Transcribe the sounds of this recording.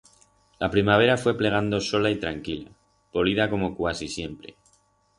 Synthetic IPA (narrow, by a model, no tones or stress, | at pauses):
lapɾimaβ̞e̞ɾafwe̞ple̞ɣ̞and̪o̞so̞lait̪ɾaŋkila̰ | po̞liðako̞mo̞kwasisje̞mpɾe̞̰